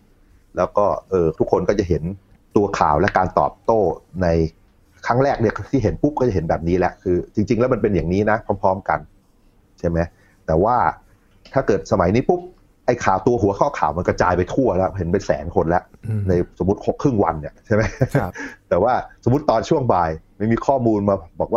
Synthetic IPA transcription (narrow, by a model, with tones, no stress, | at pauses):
lɛː˦˥wkɔː˥˩ʔɤː˧t̪ʰu˦˥kʰːo˧nkɔː˥˩t͡ɕa˨˩ɦe˩˦n | t̪u˧ɐkʰa̰ː˨˩wlɛ˦˥kaː˧nt̪ɔ̰ː˨˩p̚t̪oː˥˩na˧j | kʰa˦˥ŋɾɛː˥˩k̚ni˥˩ɐt̪ʰiː˥˩ɦe˩˦npu˦˥p̚kɔː˥˩t͡ɕa˨˩ɦnbɛː˨˩p̚niː˦˥lɛ˦˥ʔkʰɯː˧t͡ɕi˧ŋt͡ɕi˧ŋlɛ˦˥wma˧np̬e˧nja˨˩ŋniː˦˥na˦˥pʰɾɔː˦˥˩pʰɾɔː˦˥mka̰˧n | t͡ɕʰa˥˩ma˦˥j | t̪ɛː˨˩waː˥˩ | t̪ʰaː˥˩kɤː˨˩t̪̚sa˧ma˩˦jniː˦˥pu˦˥p̚ | ʔa˧˩jkʰaː˨˩wt̪u˧ɐɦu˩˦ɐkʰɔː˥˩kʰa̰ː˨˩wma˧nka˥˧t͡ɕaː˧jpa˧jt̪ʰu˥˩ɐlɛ˦˥wɦe˩˦npe˧nsɛ̰ː˩˦ŋkʰo˧nlɛ˦˥ʔna˧jso˩˦mːu˦˥t̪̚o˦˥kʰɾɯ˥˩ŋwa̰˧nːi˨˩ɐt͡ɕʰa˥˩jma˦˥jt̪ɛː˨˩waː˥˩so˩˦mu˦˥t̪ːɔː˧nt͡ɕʰu˥˩əŋbaː˧jma˥˩jmiː˧kʰɔː˥˩muː˧nmaː˧bɔː˨˩k̚waː˥˩